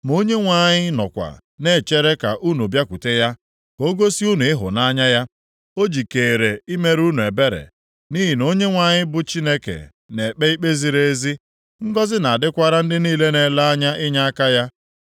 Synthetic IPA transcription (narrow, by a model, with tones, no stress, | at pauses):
mo˦ɲe˦ŋʷa˨ɲɪ˦nɔ̰˨kʷa̰˨ | ne˦˨t͡ʃe˦ɾe˦ka˨ʔu˦nu˨bja˦ku˨te˦ja˦ | ko˦ɡo˦si˦u˦nu˨ɪ˦ɦʊ̰˨na˦ɲa˦ja˦ | o˦d͡ʒi˨keː˨ɾe˨i˦me˦ɾu˦nu˨e˨be˦ɾḛ˨ | niː˦ɦi˨no˦ɲe˦ŋʷa˨ɲɪ˦bʊ˦t͡ʃi˦ne˦kḛ˨ | ne˨k͡pe˦i˦k͡pe˦zi˨ɾe˦e˦zi˦ | ŋ̩˦ɡɔ˦zɪ˦na˨a˨dɪ˦kʷa˦ɾa˦n̩˦dɪ˦niː˦le˦ne˨la˦a˦ɲa˦ʔɪ˦ɲa˦a˦ka˦ja˦